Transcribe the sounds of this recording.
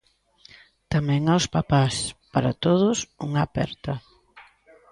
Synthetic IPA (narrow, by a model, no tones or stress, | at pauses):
t̪amɛ̃ŋawspapaspaɾa̰t̪oð̞ʊsuŋapɛ̰ɾt̪ɐ